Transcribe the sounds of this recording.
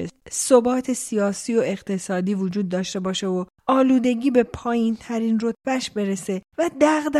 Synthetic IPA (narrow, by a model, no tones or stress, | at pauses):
sobɒːt̪ʰe̞sijɒːsiːoe̞ɣt̪ʰe̞sɒːd̪iːvod͡ʒuːd̪̚ːɒːʃt̪e̞bɒːʃe̞o | ɒːluːd̪e̞ɟiːbe̞pʰɒːjint̪ʰæɾinro̞t̪̚ʰbæʃbe̞ɾe̞se̞væd̪æɣd̪